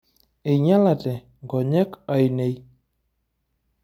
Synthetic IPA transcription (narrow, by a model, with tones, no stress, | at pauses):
e˨ɲa˦la˨tɛ˨ | ŋɡɔ˨ɲɛ˦ka˨i˨ne˦j